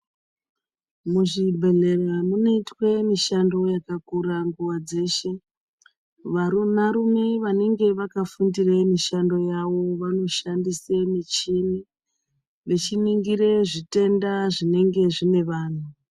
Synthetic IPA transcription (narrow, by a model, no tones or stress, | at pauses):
muʐibʱe̞ɮe̞ramunoitwe̞miʃando̞jakakuɾaŋɡuʋad͡ze̞ːʃe̞ | ʋaɾunaɾume̞ʋane̞ŋɡe̞ʋakafundiremiʃando̞jawo̞ʋano̞ʃandisemit͡ʃini | ʋe̞t͡ʃiniŋɡiɾeʐite̞ndaʐine̞ŋɡe̞ʐine̞ʋaːn̤u